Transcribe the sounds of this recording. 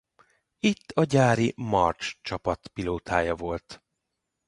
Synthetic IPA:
it̪ʰːɒɟaːɾimɒ̰rt͡ʃt͡ʃɒpɒt̪piloːt̪ʰaːjɒvo̞lt̪

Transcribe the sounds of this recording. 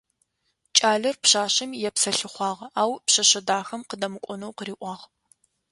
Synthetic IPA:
t͡ʃʼaːɮɐrpɕaːɕɐmjɛpsɐɬɨχʷɑːʁɐaːwpɕɐɕɐdaːxɐmqədɐmɨkʷʼɔnɐwqəɾiːʔʷɑːʁ

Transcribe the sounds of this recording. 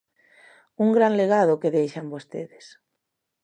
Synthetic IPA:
uŋɡɾanleɣaðokeðejʃambost̪ḛðes

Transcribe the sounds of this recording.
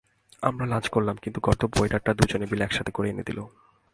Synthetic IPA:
a̰mɾalad͡ʑkoɾlamkint̪uɡɔt̪oboeʈaɾʈad̪ud͡ʑonebileɛkʃat̪ʰe̥koɾeenḛd̪ilo

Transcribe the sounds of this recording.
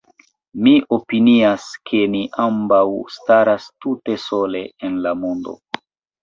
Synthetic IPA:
miʔo̞piniaskʰe̞niʔambawstaɾastute̞so̞le̞enlamondo̞̰

